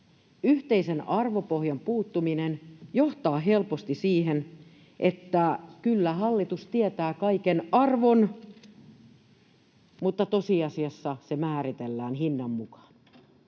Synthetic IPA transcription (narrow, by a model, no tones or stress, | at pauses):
yht̪eisenɑrʋopohjɑmpuːt̪ːuminenjoht̪ɑːɦelpost̪isiːhen | ʔet̪ːækylːæhɑlːit̪ust̪iet̪æːkɑikenɑrʋon | mut̪ːɑt̪osiɑsiɑsːɑsemæːrit̪elːæːnhinːɑmmukɑ̥n̥